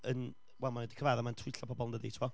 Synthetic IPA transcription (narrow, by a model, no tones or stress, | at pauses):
ən | wɛlˠmanwɛdi̥kʰəvaðamantʰiɬɔpʰɔbɔlˠndəditʰɪmɔ